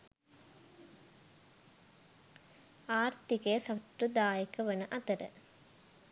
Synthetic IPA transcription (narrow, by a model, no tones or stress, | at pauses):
aːɾt̪ikeːsɐt̪ɾud̪aːjikɐʋɐnɐʔɐt̪ɐɾə̰